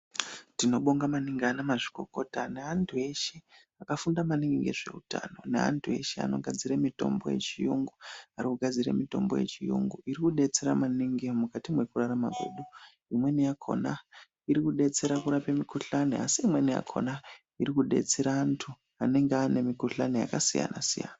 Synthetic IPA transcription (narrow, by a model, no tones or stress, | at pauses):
tino̞ɓoŋɡamaniŋɡanamaʐi̥ko̞ko̞taneantʰue̞ʃe̞ | akafundamaniŋɡiŋɡḛʐe̞̰uta̰no̞nea̰ntʰue̞̰ʃe̞a̰no̞ɡʱad͡ziɾemito̞̰mbo̞̰je̞̰t͡ʃijuŋɡuarikuɡʱad͡ziɾa̰mito̞̰mbo̰jḛt͡ʃijṵŋɡuiɾikuɗe̞t͡seɾa̰maniŋɡimukatimwe̞kuraɾama̰ɡʱṵɗu | imwe̞nijakʰo̞̰na | iɾikuɗe̞t͡se̞ɾakuɾapemikuɬaniasiimwe̞nija̰kʰo̞̰na | iɾikuɗe̞̰t͡seɾaːntʰu | ane̞ŋɡeane̞mikuɬaneja̰kasija̰na̰sija̰na